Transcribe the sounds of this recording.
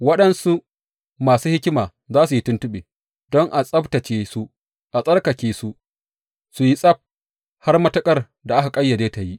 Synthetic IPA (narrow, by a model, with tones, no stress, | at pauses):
wɐ˦ɗɐ˦nsu˦ | maː˨suː˦hɪ˦kʲɪ˦maː˨ | zaː˦su˨ji˦tʊ˦ntʊ˦ɓeː˨ | dɔ˦ŋʔa˨sʼɐ˦btɐ˨t͡ʃeː˦su˦ | ʔa˨sʼɐ˦rkɐ˨kʲeː˨su˦ | su˨ji˦sʼɐ˦p̚ | ha˦rmɐ˦tɐ˦kʼɐ˦r | da˨ʔa˦ka˨kʼɐ˦jːɐ˨d͡ʒeː˦ta˨ji˦ʔ